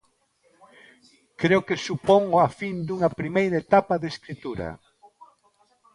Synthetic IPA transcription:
kɾeʊkesupoŋafind̪uŋɐpɾimejɾaet̪apɐðeskɾit̪uɾɐ̰

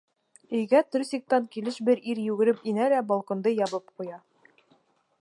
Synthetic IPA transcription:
ɵ̆jɡæt̪ɵɾsik̚t̪ɑŋkilɘʃbɘɾiɾjʉɡɘ̆ɾɘpinælæbɒlˠkŏnd̪ɤjɒβɤp̚qujɑ

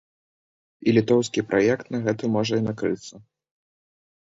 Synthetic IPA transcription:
ilʲit̪ɔwskʲipɾʔajɛkt̪nɐɣɛt̪ɨmɔʐɐinakɾɨt̪sːɐ

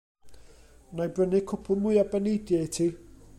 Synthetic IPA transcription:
najbrənɪkʰʊpʰʊmʊɨabɛnedjaitʰiː

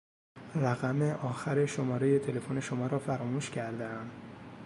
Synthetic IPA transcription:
ræɣæmeʔɒːxæɾe̞ʃo̞mɒːɾe̞je̞t̪ʰe̞le̞fone̞ʃo̞mɒːɾɒːfæɾɒːmuːʃcʰæɾd̪eæm

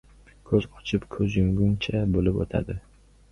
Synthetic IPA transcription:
kʰɵz̥qʰɒ̥t͡ʃʰɪpkʰɵzjʊŋɡʊŋt͡ʃʰabolɪpo̰t̪ʰa̰d̪ɪ

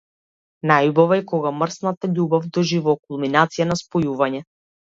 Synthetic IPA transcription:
najubɔvɛɛkɔɡamrsnat̪aʎubavd̪ɔʒivɔkulˠminat̪sijanaspɔjuvaɲɛ

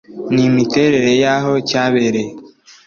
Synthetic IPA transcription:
nimiteɾeɾejaɦocaβeɾe

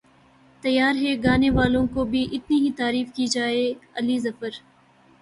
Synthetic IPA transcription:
t̪ɐjːaːɾɦɛɡaːneʋaːlõkobʱiʔɪt̪niɦit̪aːɾiːfkiːd͡ʒaːeɐlizɐfəɾ

